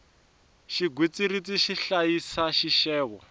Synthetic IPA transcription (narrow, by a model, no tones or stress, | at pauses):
ʃiɡwit͡sirit͡siʃiɬajisaʃiʃɛːβɔ